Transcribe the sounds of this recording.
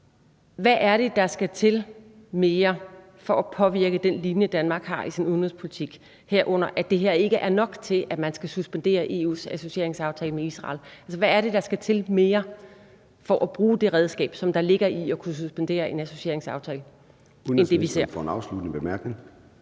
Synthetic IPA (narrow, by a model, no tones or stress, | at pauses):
ʋæʔæɐɾ̥e̝d̥ɑ̈sɡ̥æt͡sʰe̝lme̝ːɐ | fɒ̽ʔæpʰɒ̽ʋiɐɡ̥əd̥enlinjəd̥ænmɑ̈ːɡ̥hɑ̈ʔisinuðˠn̩ʁispʰo̝lit͡sʰiɡ̥ | heɐ̰ʔɔ̽n̰ɐʔæd̥e̝ɦeɐ̰e̝ɡ̥əʔæɐnɒ̽ɡ̥t͡sʰe̝lʔæmænsɡ̥æsusb̥end̥e̝̰ːɐʔe̝̰ːṵːsæso̝ɕie̝ɐ̰e̝ŋsɑ̈ʊt͡sʰɛːləmeisʁɑ̰̈ːlʔælsɐʋææːɐɾe̝d̥ɑ̈sɡ̥æt͡sʰe̝lme̝ːɐ | fɒ̽ʔæb̥ʁuːd̥e̝ʁɛð̞ˠsɡ̥ɛ̰ːb̥sɒ̽md̥ɑ̈le̝ɡ̥ɐʔiɒ̽kʰus̬usb̥end̥e̝̰ːɐʔe̝næso̝ɕie̝ɐ̰eŋsɑ̈ʊt͡sʰɛːlə | end̥e̝ʋise̝̰ɐ̰fɒenɑ̈ʊslud̥nb̥emæɐɡ̥neŋ